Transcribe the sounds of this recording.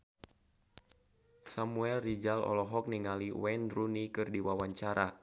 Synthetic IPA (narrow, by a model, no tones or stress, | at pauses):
samuɛlrid͡ʒalɔ̰lɔɦɔk̚niŋaliwɛndrunikɨrdiwawaɲt͡ʃaɾʔa